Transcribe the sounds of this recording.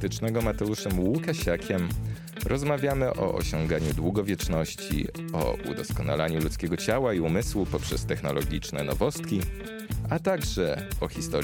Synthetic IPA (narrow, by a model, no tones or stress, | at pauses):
t̪ɘt͡ʂnɛɡɔmat̪ɛuʂɛmwukaɕakʲʰɛm | ɾʔɔzmavʲjamɘʔɔ̰ʔɔ̰ɕɔŋɡaɲud̪wuɡɔvʲjɛt͡ʂnɔɕt͡ɕḭ | ɔ̰ṵd̪ɔskɔna̰laɲulut̪skʲɛɡɔt͡ɕawaiumɘswupɔpʂɛst̪ɛxnɔlɔɡʲit͡ʂnɛ̰nɔ̰vɔst̪̚kʲi | at̪aɡʐɛɔxʲist̪ɔɾ